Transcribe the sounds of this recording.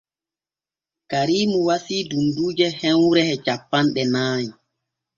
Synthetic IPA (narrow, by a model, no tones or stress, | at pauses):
kaɾiːmuwasiːdunduːd͡ʒɛhɛnwuɾɛhɛt͡ʃapːanɗɛnaːji